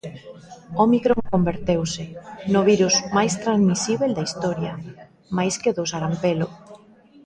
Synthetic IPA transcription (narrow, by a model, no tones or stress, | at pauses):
omikɾoŋkombeɾt̪ewsɪnʊβiɾusmajst̪ɾanzmisiβeld̪aist̪ɔɾjɐ | majskeðosaɾampelo